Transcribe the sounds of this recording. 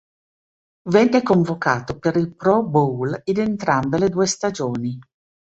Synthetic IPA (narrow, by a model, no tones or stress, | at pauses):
vɛndekoɱvokaːt̪opeɾilpɾɔbulinent̪ɾambeled̪uːest̪ad͡ʒoːni